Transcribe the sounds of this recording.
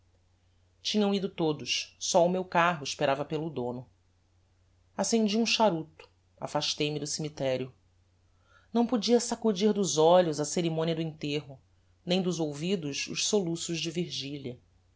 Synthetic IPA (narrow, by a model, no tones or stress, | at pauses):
t͡ʃĩɲɐ̃w̃id̪ʊt̪od̪ʊʃsɔʊmewkaɦʊiʃpeɾavɐpelʊd̪õnʊ | asẽnd͡ʒiũʃaɾut̪ʊ̥ | a̰faʃt̪ejmɪd̪ʊsimit̪ɛɾjʊ | nɐ̃w̃pod͡ʒiɐsakud͡ʒiɾd̪ʊzɔʎʊzɐseɾimõniɐd̪ʊĩnt̪eɦʊ | nẽj̃d̪ʊzowvid̪ʊʃʊ̰ʃsolusʊʒd͡ʒɪviɾʒiʎiɐ